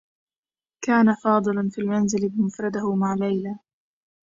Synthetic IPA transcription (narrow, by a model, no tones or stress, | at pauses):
kaːnafɑːd̪ˤɨlɑnfiːlmanzɪlɪbɪmʊfɾˤɑd̪ahʊmaʕlajlaː